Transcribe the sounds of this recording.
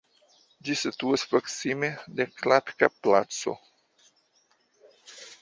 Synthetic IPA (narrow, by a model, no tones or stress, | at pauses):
d͡ʒisit̪uaspɾo̞ksimedeklatkaplat͡so̞̰